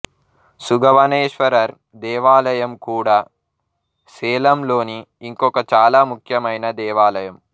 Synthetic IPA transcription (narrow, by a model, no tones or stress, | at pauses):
suɡɐʋɐneːʃʋɐɾɐɾ | d̪ɛːʋaːlɐjɐmkuːɽaː | sɛːlɐmlo̞ːniː | ŋkɔkɐt͡ʃaːlaːmukʰjɐmɐjnɐd̪ɛːʋaːlɐjɐm